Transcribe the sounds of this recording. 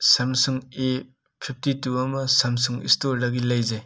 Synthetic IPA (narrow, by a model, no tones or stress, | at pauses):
sɐmsuŋe | pʰip̚ʰtituɐmɐsɐms̬uŋḭstoɾdɐɡilɐjzaj